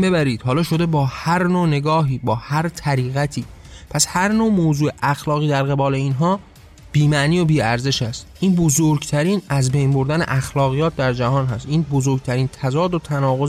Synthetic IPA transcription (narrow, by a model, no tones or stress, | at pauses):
bebæɾiːd̪̥hɒːlɒːʃo̞d̪e̞bɒːhæɾnoːne̞ɡɒːɦiːbɒːhæɾt̪ʰæɾiːɣæt̪ʰiː | pʰæshæɾnoːmoːzuːeʔæxlɒːɣiːd̪æɾɣe̞bɒːle̞iːnɦɒː | b̥iːmæniːo̞biːæɾze̞ʃæst̪ʔiːnbozoɾɡt̪ʰæɾiːnæzbejnbo̞ɾd̪ænḛʔæxlɒːɣijɒːt̪̚ʰd̪æɾd͡ʒæhɒːnɦæst̪ʔiːnbozoɾɡ̚t̪ʰæɾiːnt̪ʰæzɒːd̪ot̪ʰænɒːɣoz